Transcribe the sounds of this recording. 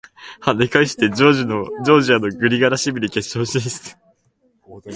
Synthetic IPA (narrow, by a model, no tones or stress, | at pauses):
had̪ekaiɕi̥t̪e̞d͡ʑoːʑino̞d͡ʑo̞ːʑiano̞ɡɯ̟ɾʲiɡaɾaɕibɯ̟ɾʲike̞ɕõ̞ːɕiesɨ̥